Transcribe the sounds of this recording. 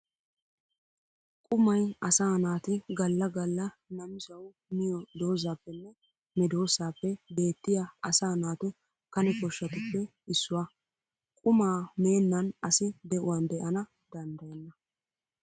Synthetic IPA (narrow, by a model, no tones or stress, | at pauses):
kʼʊmɐjɐsaːnaːt̪ɪɡɐlːɐɡɐlːɐ | nɐmɪsɐw | mɪjɔd̪o̞ːzaːpːɛnːɛ | mɛd̪o̞ːsaːpːɛbe̞ːt̪ːɪjaɐsaːnaːt̪ʊ | kɐnɛkɔʃːɐt̪ʊpːɛ | ɪsːʊwaː | kʼʊmaːme̞ːnːɐnɐsɪd̪ɛʔʊwand̪ɛʔɐnɐ | d̪̥ɐnd̪ɐjɛnːɐ